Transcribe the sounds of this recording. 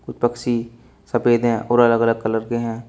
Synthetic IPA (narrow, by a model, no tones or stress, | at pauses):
kʊt͡ʃpɐkʃi | sɐpeːd̪ɦɛ̃ʔɔːɾɐləɡələɡ̚kɐləɾkeɦɛ̃ː